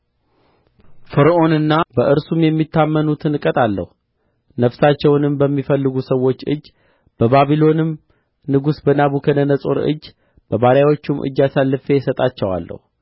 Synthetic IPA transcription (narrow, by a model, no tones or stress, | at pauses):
fɨɾʔo̞nɨnːabəʔɨɾsumjɛmːit̪ʰːamːənut̪ʰɨnkʼət̪ʼalːə̰hu | nəfsat͡ʃːɛwnɨmbəmːifəlːɨɡusəwːo̞t͡ʃːɨ̰d͡ʒː | b̥əβaβilo̞nɨm | nɨɡusbənaβukʰənənəsʼoɾɨ̰d͡ʒː | b̥əβaɾjawo̞t͡ʃːumʔɨ̰d͡ʒːasalːɨfejɛsət̪ʼat͡ʃːɛwa̰lːə̰hu